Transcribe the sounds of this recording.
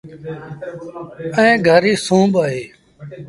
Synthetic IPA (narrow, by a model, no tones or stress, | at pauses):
ə̃ẽːɡʱəɾiːsũːbaɦeː